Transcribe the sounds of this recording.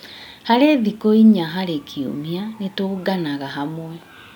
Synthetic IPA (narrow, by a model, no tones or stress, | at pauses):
haɾeðikoiɲaɦaɾekʰiṵmianetoɡanaɣaɦamwɛ